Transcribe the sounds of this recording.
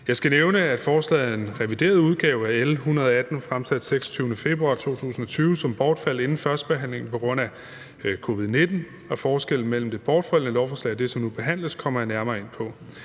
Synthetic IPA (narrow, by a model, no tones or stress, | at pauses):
jɑ̈ɪsɡ̥æneʊnəæd̥fɒːslɛ̰ːð̩ˠe̝nʁɛʋid̥e̝̰ːɐð̞ˠuð̞ˠɡ̥ɛːʊæelhunɐð̞ˠɐæd̥n̩fʁamsæd̥seɡ̥sɒ̥t͡sʰyːʊnəfe̝b̥ʁuɑ̈t͡sʰo̝̰ːt͡sʰṵːsn̩ɒ̽t͡sʰyːʊsɒ̽mb̥ɒːd̥fæl̰e̝nn̩fɶɐsd̥̚b̥e̝ɦæn̰le̝ŋn̩pʰɒ̽ɡ̥ʁɔ̽n̰æ | kʰo̝ːʋið̞ˠne̝d̥n̩ | ɒ̽fɒːsɡ̥el̰n̩mel̰m̩d̥e̝b̥ɒːd̥fæl̰nəeɾɒʊfɒslɛ̰ɪd̥e̝sɒ̽mnub̥e̝ɦæn̰ləskʰɒ̽m̰ɐjɑ̈næɐmɐːe̝n̰pʰɒ̽